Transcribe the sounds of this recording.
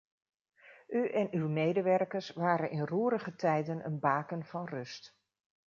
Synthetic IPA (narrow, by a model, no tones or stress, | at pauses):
ʔyʔɛnywmejdəʋɛrkəɹsʋaːɾənʔɪnruːɾəχətʰɛjdənə̰nbaːkənv̥ɑnrɵst